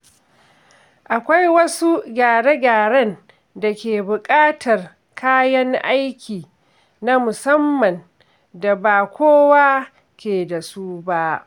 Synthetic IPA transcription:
ʔa˨kʷa˦jwɐ˦su˦ɡʲaː˨ɽe˦ɡʲaː˨ɽɐ˦n | da˨kʲeː˨bʊ˨kʼaː˦tʰɐ˨r | kʰaː˦jɐ˦ŋʔa˦jkʲiː˨ | na˦mʊ˨sɐ˦mːɐ˨n | da˨baː˨kʷoː˦waː˦ | kʲeː˨da˨su˦ba˦ʔ

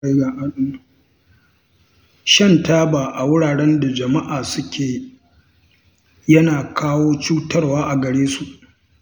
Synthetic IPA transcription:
a˦ɡa˨ʔa˨ɗʊ˦m˨ | ʃɐ˦˨ntaː˦baː˨ʔa˨wʊ˦ɽaː˨ɽɛ˦nda˨d͡ʒɐ˨ma˦ʔaː˨sʊ˦kʲeː˨ | jɐ˦naː˨kʰaː˦woː˦t͡ʃuː˦tɐ˦rwaː˦ʔa˨ɡɐ˨ɽeː˦su˨ʔ

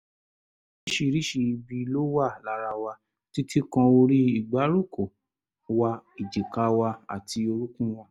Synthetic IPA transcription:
i˦ʃi˧ɾi˦ʃi˧bi˧lo˦wa˦˨la˨ɾa˧wa˧ | ti˦tʰi˦kã˧o˧ɾi˦i˦˨ɡ͡ba˨˦ɾu˦˨ko˨ | wa˧i˨d͡ʒi˨ka˧wa˧a̰˨tʰi˧o˧ɾu˦kũ˦w̃ɔ̃˦

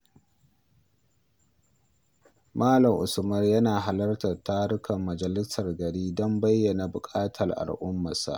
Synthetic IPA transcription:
maː˦lɐ˨mʔʊ˨sʊ˨mɐ˦rjɐ˦naː˨ɦa˨lɐ˦rtɐ˨rtaː˦ɽʊ˦kʰɐ˨mːɐ˨d͡ʒɐ˨lɪ˦sɐ˨rɡɐ˨ɽiː˦dɔ˦mbɐ˦jːɐ˨na˨bʊ˨kʼaː˦tʰɐ˨rʔa̰˨lʔʊ˦mːa˨sa̰˦˨ʔ

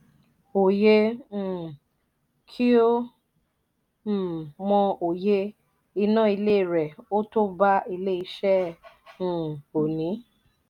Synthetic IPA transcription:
o˨jẽ˧˦˨ | kʰi˦o˦˨ | mɔ̃˧o˨je˧ | i˧nãː˦˨i˧le˦˨ɾɛ˨o˦to˦ba˦i˧le˦i˧ʃɛ̃˦˨ | o˨nĩ˨˦

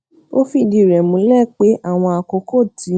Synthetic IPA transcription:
o˦fi˧˦˨di˧˨ɾɛ˨mũ˨˦lɛ˦˨k͡pe˨˦ʔa˦˨w̃ɔ̃˧a˨ko˨˦ko˦˨tʰi˨˦

